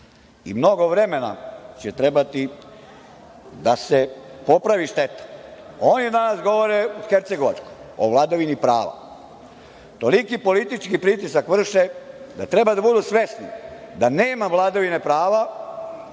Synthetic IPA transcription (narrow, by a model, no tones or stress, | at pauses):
ḭmno̞ɡo̞ʋɾeme̞na̰t͡ɕet̪ɾe̞bat̪i | d̪asepo̞pɾaʋiʃt̪e̞t̪ḁ | oːnjed̪anasɡo̞ʋoɾeuxeɾt̪se̞ɡo̞ʋat͡ʃkoj | o̰ʋlˠad̪aʋinipɾaːʋa̰ | t̪o̞likipo̞lit̪it͡ʃkipɾit̪isakʋr̩ʃed̪at̪ɾe̞bad̪abud̪usʋe̞snid̪aneːmaʋlˠad̪aʋinepɾaːʋa